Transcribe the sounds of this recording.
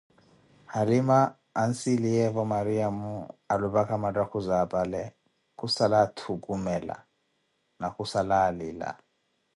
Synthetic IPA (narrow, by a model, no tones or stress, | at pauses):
halimaː | nsilijɛvɔmaɾiamualuβakʰamadʼakʰuzapʼalɛ | kusalatʰukʼumɛla̰ | nakʼusalaːliːla̰